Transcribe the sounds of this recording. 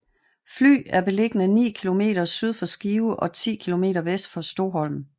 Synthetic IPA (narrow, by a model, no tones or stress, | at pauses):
fly̰ːæɐb̥e̝le̝ɡ̥ən̩ænḭːkʰilo̝me̝̰ːd̥ɐsyð̞ˠfɒ̽sɡ̥iːʊʔɒ̽t͡sʰḭːkʰilo̝me̝̰ːɾɐʋesd̥fɒ̽sd̥o̝ɦɒ̽l̰m